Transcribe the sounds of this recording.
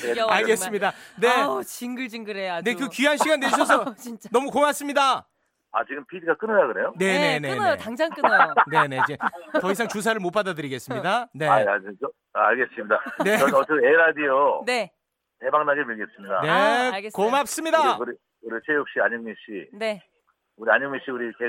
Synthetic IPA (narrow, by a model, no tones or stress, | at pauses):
eaɭɡe̞s͈ɯmɲidane̞t͡ɕiŋɡɯɭd͡ʑiŋɡɯɾeane̞kɯkianɕʰiɡanːeiɕʰʌs̬ʰʌint͡ɕ͈anʌmukoŋas͈ɯmɲida | at͡ɕiɡɯmpʰidiɡak͈ɯnɯɾaɡɯɾe̞jone̞e̞nenajotaŋd͡ʑaŋkɯnaone̞ne̞itʌis̬ʰaŋt͡ɕus̬ʰaɾɯɭmop͈adadɯɾiɡe̞s͈ɯmɲidane̞aad͡ʑio | aɭɡe̞s͈ɯmɲidane̞ʌʌt͡ɕʌeɾadijone | tebaŋnaɡemiɭɡies͈ɯmɲida̰neɡeskoŋap̚s͈ɯmɲidakɯɾi | kɯɾit͡ɕʰejok̚ɕ͈iaɲoŋmiɕ͈ine | uɾiaɲoŋmiɕ͈iuɾite